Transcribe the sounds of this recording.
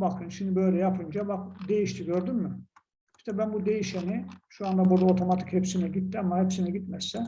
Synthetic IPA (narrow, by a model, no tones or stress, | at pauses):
bakʰɯnʃimd̪ibø̞jlʲɛjapʰɯnd͡ʒabakd̪e̞jiʃt̪ʰiɟøɾd̪ymːy | i̥ʃt̪ʰɛbænbud̪e̞jiʃeniʃuand̪abuɾd̪aot̪ʰo̞mat̪ʰi̥chepsinɛɟit̪ːiamːahepsinɛɟit̪mɛsːɛn